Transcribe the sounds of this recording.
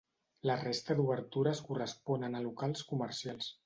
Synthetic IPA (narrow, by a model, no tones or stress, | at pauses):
lərest̪əd̪uβəɾt̪uɾəskurəspɔnənəlukalˠskuməɾsialˠs